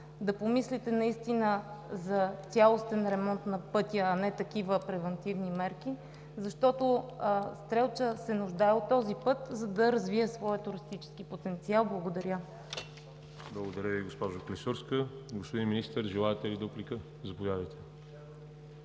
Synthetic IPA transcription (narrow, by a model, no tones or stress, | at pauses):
d̪ɐpomislit̪ɛnɐist̪inəzɐt̪sʲalˠost̪ɛnɾɛmɔnt̪nɐpɤt̪ʲjəːnɛt̪ɐk̟ivəpɾɛvɛnt̪ivnimɛɾk̟i | zɐʃt̪ɔt̪ʊst̪ɾɛlˠt͡ʃəsɛnʊʒd̪aɛot̪ːɔzipɤt̪zɐd̪ɐɾɐzviɛsvɔjət̪ʊɾist̪it͡ʃɛ̥skipot̪ɛnt̪sialˠblˠɐɡod̪ɐɾʲjə | blˠɐɡod̪ɐɾʲjəviɡospɔʒoklisuɾskəɡospod̪inminist̪əɾʒɛlˠaɛt̪ɛlid̪uplikə | zɐpovjad̪əjt̪ɛ̥